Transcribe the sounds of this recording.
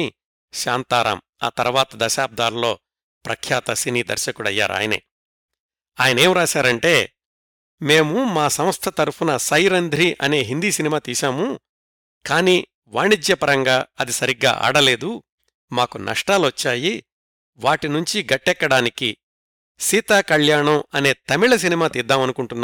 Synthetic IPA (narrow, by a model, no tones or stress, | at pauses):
ʃaːnt̪aːɾa̰m | a̰ːt̪ɐɾʋaːt̪ɐd̪ɐʃaːb̚d̪ʱaːɾlo̞ː | pɾɐkʰjaːt̪ɐsiniːd̪ɐ̰ɾʃɐkuɽɐ̰jːa̰ːɾa̰ːjɐnḛ | aːjɐnɐe̞ːmɾaːʃaːɾɐɳʈe̞ː | me̞ːmumaːsɐmst̪ʰɐt̪ɐɾpunɐsɐjɾɐnd̪ʱɾiʔɐne̞ːɦind̪iːsinimaːt̪iːʃaːmu | kaːniː | ʋaːɳid͡ʒjɐpɐɾɐŋɡaːɐd̪isɐɾiɡːa̰ːʔa̰ːɽɐle̞ːd̪u | maːkunʔɐ̰ʂʈaːlʋɐt͡ʃːaːji | ʋaːʈinuɲt͡ʃiɡɐʈːɛkːɐɽaːniki | siːt̪aːkɐɭjaːɳɐmɐne̞ːt̪ɐmiɭɐs̬inimaːt̪iːd̪ːaːmɐnukuɳʈunːaː